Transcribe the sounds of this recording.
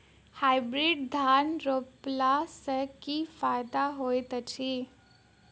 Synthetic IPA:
haːɪbɾiɖd̪ʱaːnɾoplasəkifaːjd̪aɦoːjt̪ət͡ʃʰiː

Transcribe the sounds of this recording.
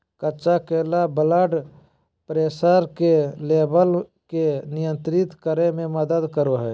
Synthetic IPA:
kət͡ʃakeːlabəlaɖ | pɾeːsəɾkeleːbəlkenɪjə̃nt̪ɾɪt̪kəɾemẽməd̪əd̪kəɾoɦɛː

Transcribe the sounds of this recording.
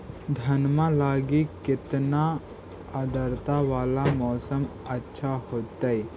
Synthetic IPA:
d̪ʱɐnmãlaːɡikɪt̪na | əd̪əɾt̪aʋaːlamɔːsəmɐtːʃʰahoːt̪ai

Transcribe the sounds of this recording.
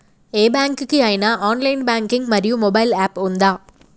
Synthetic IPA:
eːbaːŋkɯkːɯaːjɪnaːʔaːnlɐɪnbaːŋkɪŋɡmɐɾɪjɯ̃mɔbɐɪlaːpʊnd̪aː

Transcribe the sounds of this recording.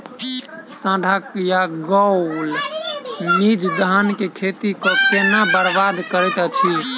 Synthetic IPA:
sãɖʱakjaɡɔl | mid͡ʒd̪əɦənkekʰet̪ikɔkenabəɾbad̪kəɾɛt̪ət͡ʃʰi

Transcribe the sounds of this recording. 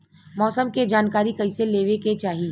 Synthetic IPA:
mɔːsəmked͡ʒaːnkaːɾikɐiseleːʋeket͡ʃaːɦi

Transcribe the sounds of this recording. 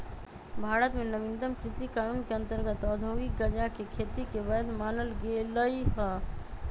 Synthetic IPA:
bʱaɾət̪menəmind̪əmkɾisikanunkeə̃nt̪əɾɡət̪ɔd̪ʱoɡik̚ɡəd͡ʒakekʰet̪ikebəd̪manəlɡeləiɦə

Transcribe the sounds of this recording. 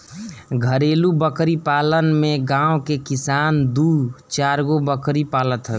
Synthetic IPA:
ɡʱəɾeːlubəkɾipaːlənmẽɡãːokekɪsaːnd̪ut͡ʃaːɾɡobəkɾipaːlət̪ɦə

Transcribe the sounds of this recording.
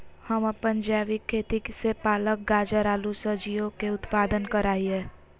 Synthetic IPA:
həmpə̃ɲd͡ʒaːʋikʰːeːt̪iksepaːlək̚ɡaːd͡ʒəɾaːlusəd͡ʒijõkeʊt̪paːd̪ənkəɾaːiɦɛː

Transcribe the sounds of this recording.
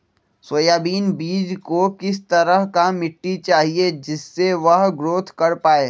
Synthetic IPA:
soːjaːbiːnbiːd͡ʒkokɪs̬t̪ɐɾəɦkamɪʈːit͡ʃaːɦied͡ʒɪsːeʋɐɦɡɾoːt̪ʰkɐɾpaːeː

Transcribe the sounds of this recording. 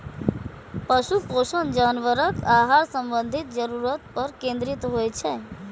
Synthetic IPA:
pəsuposənd͡ʒanʋəɾəkaɦaɾsə̃mbənd̪ʱit̪̚d͡ʒəɾuɾət̪̚pəɾkẽnd̪ɾit̪ɦojt͡ʃʰɛ

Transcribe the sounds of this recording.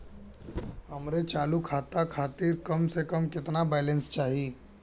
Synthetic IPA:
ɦɐmɾet͡ʃaːlukʰaːt̪akʰaːt̪ɪɾkɐmsekɐmkɪt̪nabɛːlẽnst͡ʃaːɦii

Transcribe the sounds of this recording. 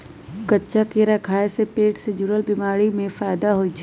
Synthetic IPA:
kətːʃakeɾakʰaːesepeːʈsɪd͡ʒuɾəlbɪmaːɽimẽfaːjd̪aɦoit͡ʃʰ

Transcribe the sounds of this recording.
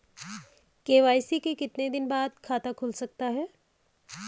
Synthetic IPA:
keːʋaːjsikekɪt̪ned̪ɪnbaːd̪kʰaːt̪akʰʊlsɐk̚t̪aɦɛː

